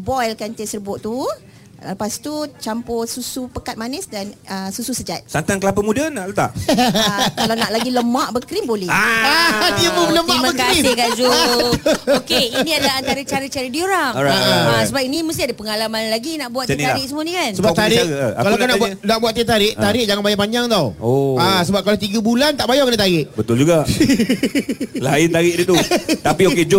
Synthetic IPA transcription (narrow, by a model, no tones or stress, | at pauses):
bɔjlkant̪esərbʊʔt̪u | əpast̪ut͡ʃampɔsusupəkat̪̚manəsdanəsususəd͡ʒat̪̚sant̪aŋkəlapəmudənaʔlət̪a̰ʔ | alawnaʔlaɡiləmaʔbəkɾimbolɛaadiəmələmimabəkaɾisɪhɡaʔd͡ʒu | okeinĩadəlaant̪aɾət͡ʃaɾət͡ʃaɾədioɾaŋɾaʔaasəbap̚iniməst̪ɪadəpəŋalamanlaɡinaʔbuat̪aɾɪʔsəmuanikansəbat̪aɾɪkalawkanaʔbanaʔbuwat̪ːət̪aɾɪʔt̪aɾɪʔ̚d͡ʒaŋanbajaʔpaɲd͡ʒaŋt̪awoasəbap̚kalawt̪iɡəbulant̪aʔbajakənət̪aɾɪʔbət̪ʊld͡ʒuɡa | laɪnt̪aɾɪʔdit̪ut̪apioked͡ʒo